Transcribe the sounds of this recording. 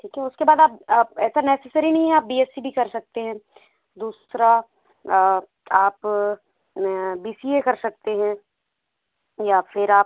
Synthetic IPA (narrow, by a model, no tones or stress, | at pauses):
ʈʰiːkɦɛʊskebaːd̪aːpaːɛːsanɛːsesəɾinɐɦĩɦɛ̃aːp̚biːeːsibʱikɐɾsɐk̚t̪eɦɛ̃ | d̪uːsɾa | aːp | biːsiekɐɾsɐk̚t̪eɦɛ̃ | jaːfʰɪɾaːp̚